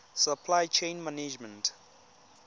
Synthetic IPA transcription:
səpʰlajt͡ʃʰẽnmaned͡ʒmə̃nt

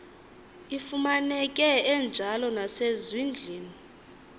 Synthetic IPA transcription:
ifumanɛk̬ʼɛɛnd͡ʒʱalɔnasezwind͡ɮʱiːni

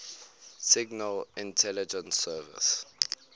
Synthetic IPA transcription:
sɪɡnəlɪ̃ntʰɛlid͡ʒə̃nsɛːvɪ̰s

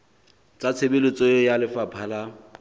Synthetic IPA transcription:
t͡sʼat͡sʰebelɪt͡sʼɔjalɪfapʰaːla

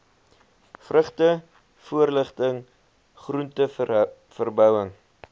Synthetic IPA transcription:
frəχtə | fuərləχtəŋ | χruntə | fərbœwəŋ

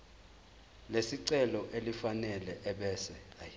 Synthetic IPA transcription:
lesiǀɛlɔʔelifanɛlɛʔɛɓɛːsɛ

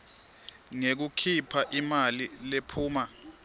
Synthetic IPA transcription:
ŋek̬ukʰipʰaʔimalilepʰuːma

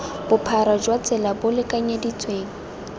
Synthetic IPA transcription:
b̥ʊpʰaɾad͡ʒwat͡sʼɛlabʊlɪkʼaɲadit͡sʼweːŋ̩

